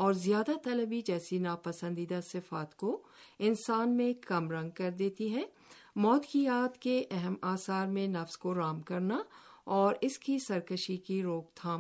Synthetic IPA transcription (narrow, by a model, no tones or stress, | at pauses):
ɔːɾzjaːd̪at̪ɐləbid͡ʒɛːsinaːpɐsə̃nd̪iːd̪asɪfaːt̪koɪnsaːnmẽkɐmɾɐ̃ŋɡ̚kɐɾd̪eːt̪iɦɛː | mɔːt̪kijaːt̪keʔɛɦɛmaːsaːɾmẽnɐfskoɾaːmkɐɾnaɔːɾɪskisɐɾkəʃikiɾoːk̚t̪ʰaːm